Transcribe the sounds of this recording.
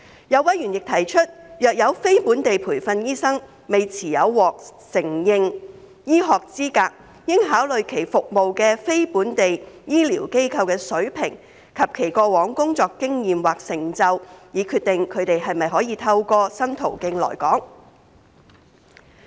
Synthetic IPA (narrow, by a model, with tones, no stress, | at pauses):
jɐ˨˧wɐ˨˥jyː˨˩njɪ˨k̚t̪ʰɐ˨˩jt͡ʃʰɵ˥t̚jœː˨k̚jɐ˨˧wfe˥jpuː˨˥nt̪e˨jpʰuː˨˩jfɐ˧njiː˥sɐ˥ŋ | me˨jt͡sʰiː˨˩jɐ˨˧wːɔː˨k̚sɪ˨˩ŋjɪ˨˧ŋ | jiː˥ɦɔː˨k̚t͡siː˥kaː˧k̚ | jɪ˥ŋɦaː˨˥wlɵ˨ɥkʰe˨˩jfʊ˨k̚mo˨wkɛː˧fe˥jpuː˨˥nt̪e˨jjiː˥liː˨˩wke˥jkʰɐ˧wkɛː˧sɵ˨˥ɥpʰɪ˨˩ŋ | kʰɐ˨p̚kʰe˨˩jkɔː˧wɔː˨˥ŋkʊ˥ŋt͡sɔː˨kkːɪ˥ŋjiː˨mwaː˨k̚sɪ˨˩ŋt͡sɐ˧wjiː˨˧kʰy˧t̚t̪ɪ˨ŋkʰɵ˨˧ɥt̪e˨jɦɐ˨jmɐ˨jɦɔː˨˥jiː˨˧t̪ʰɐ˧wkɔː˧sɐ˥mt̪ʰo̰˨˩wkɪ˧ŋlɔ̰ː˨˩jkɔː˨˥ŋ